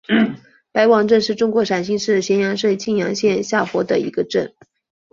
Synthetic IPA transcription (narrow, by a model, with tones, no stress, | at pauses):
pa˧˥ɪwɑ˨˩ŋʈ͡ʂə˥˧nʂɻ̩˥˩ʈ͡ʂʊ˥ŋkwɔ˧˥ʂa˨˩nɕi˥˧ʂɻ̩˥˩ɕjɛ˧˥njɑ˧˥ŋʂwe˥˧ɪt͡ɕʰi˥˩njɑ˧˥ŋɕjɛ˥˧nɕja˥˩xwɔ˧˥d̪ə˧ḭ˧˥ɡə˧ʈ͡ʂə˥˩n